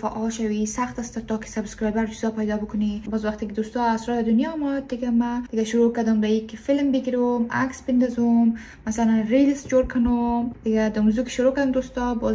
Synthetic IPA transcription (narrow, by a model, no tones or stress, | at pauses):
faʔɔlʃawisaxt̪ast̪at̪ɔkɪ̥sabskɾɑjbaɾd͡ʒʊzɑpajd̪ɔbəkʊnibɔzwaxt̪ɪkɪd̪ost̪ɔasɾɔɾad̪ʊnjɔmɔt̪̚d̪ɪɡamad̪ɪɡaʃʊɾokad̪ʊmd̪aikɪfɪlmbɪɡiɾumakspɪnd̪ɔzumː | asalanɾilsd͡ʒoɾkʰʊnʊmd̪ɪɡad̪amuzukɪ̥ʃʊɾokad̪ʊmd̪ost̪ɔbɔ